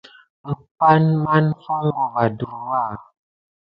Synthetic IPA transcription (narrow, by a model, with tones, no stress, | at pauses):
pa˦nma˦nfɔ˦ŋ˦ɔ˨va˨du˨ɾwa˦˨